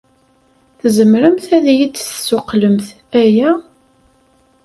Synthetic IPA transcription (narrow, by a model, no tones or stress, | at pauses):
θzəmɾəmθæðjid̪θsːʊqləmθ | æjæ